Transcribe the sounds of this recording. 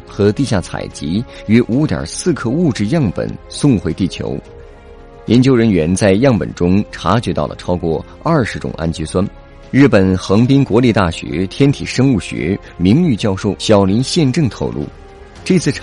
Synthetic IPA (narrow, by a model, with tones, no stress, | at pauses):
xɤ˧˥t̪i˥˧ɕja˥˩t͡sʰa̰˨˩ɪt͡ɕi˧˥ɥɛ˥ʔu˧˥t̪jɑ̰˨˩sɹ̩˥˧kʰɤ˥˧u˥˧ʈ͡ʂɻ̩˥˧jɑ˥˩ŋpə̰˨˩nsʊ˥˧ŋxwe˧˥ɪt̪i˥˩t͡ɕʰjo̰˧˥ʊ | jʔɛ˧˥nt͡ɕjo˥ʊɻə˧˥nɥɛ˧˥nt͡sa˥˧ɪjɑ˥˩ŋpə̰˨˩nʈ͡ʂʊ˥ŋʈ͡ʂʰa˧˥t͡ɕɥɛ˧˥t̪ɑ˥˩ʊlə̰˩ʈ͡ʂʰɑ˥ʊkwɔ˥˧ | ɐ˞˥˩ʂɻ̩˧˥ʈ͡ʂʊ̰˨˩ŋʔa̰˥nt͡ɕɛ˧˥swa˥n | ɻɻ̩˥˩pə˨˩nxɤ˧˥ŋpi˥ŋkwɔ˧˥li˥˧t̪a˥˩ɕɥɛ̰˧˥t̪ʰjɛ˥nt̪ʰi˨˩ʂɤ˥ŋu˥˩ɕɥɛ̰˧˥ | mi˧˥ŋy˥˧t͡ɕjɑ˥˧ʊʂo˥˩ʊɕjɑ˨˩ʊli˧˥nɕjɛ˥˧nʈ͡ʂɤ˥˩ŋt̪ʰo̰˨˩ʊlʔṵ˥˩ | ʈ͡ʂɤ˥˧t͡sʰɹ̩ʰ˥˩